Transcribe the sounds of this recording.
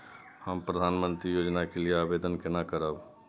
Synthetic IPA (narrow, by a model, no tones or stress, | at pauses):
həmpɾəd̪ʱaːnmə̃nt̪ɾijoːd͡ʒnakelɪeaːʋeːd̪ənkɪnakəɾaːb